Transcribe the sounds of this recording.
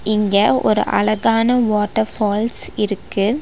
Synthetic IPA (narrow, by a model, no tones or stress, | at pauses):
ɪŋɡɐɔ̰ɾɯ̰ʔɐ̰lɐɣaːnɐʋoːʈːɐɾfoːlsɪɾɯkːɯ